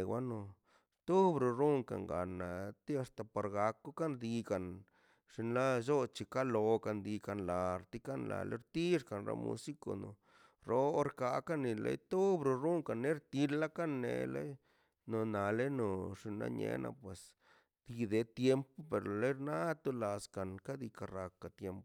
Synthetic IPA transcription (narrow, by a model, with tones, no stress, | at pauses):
wʷa˦no˧ | t̪u˦bɾo˧ɾu˦ŋka̰˨ŋɡa̰˨na˨t̪i˦a˧st̪a˨po˨ɾɡa˧ku˦ka˦nd̪i˧ka˨n | ʂi˧nla˦ʒo˦t͡ʃi˨ka˦lo˧ka˨˧nd̪i˧ka˧nla˨ɾt̪i˧˦ka˦nla̰˨le˦ɾt̪i˦ʂka˨nɾo̰˧˦mṵ˧si˦ko̰˨no̰˨ | ɾo˦o˦ɾka˧ka˦ni˧lḛ˧jt̪o˦bɾo˧ɾu˦ŋka˨nːe˦ɾt̪i˧la˦ka˦nːḛ˨lḛ˦ | no˨na˨le˦no˨ʂi˧nla̰˦ɲḛ˧nʔa̰˧˨pwe˨s | d̪̥i˧d̪e˨t̪je˦mpo˦pe˨ɾlo˨le˦jɾna˦t̪u˦la˨ska˨nka˦d̪i˧ka˧ra˧ka˨t̪je˦mpo˨